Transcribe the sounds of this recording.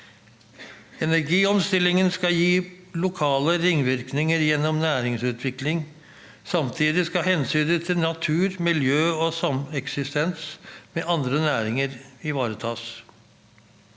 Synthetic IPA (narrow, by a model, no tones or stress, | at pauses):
ɛnæɾɡiːɔmst̪ɪlɪŋənskɑjiː | lʊkʰɑːləɾɪŋʋɪɾknɪŋəɾjɛnːɔmnæːɾɪŋsʉːt̪ʰʋɪklɪŋ | sɑmt̪ʰiːd̪ɪskɑhɛnsyːd̪ət̪ʰɪlnɑt̪ʰʉːɾmɪljøːɔsɑmɛksɪst̪ɛnsmeːʔɑnd̪ɾənæːɾɪŋəɾɪʋɑːɾət̪ʰɑːs